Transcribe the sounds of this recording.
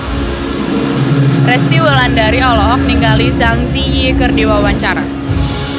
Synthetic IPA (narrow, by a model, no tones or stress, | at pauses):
rɛst̪iwəlandaɾiɔlɔɦɔk̚niŋɡalizaŋsiːekərdiwawaɲt͡ʃaɾa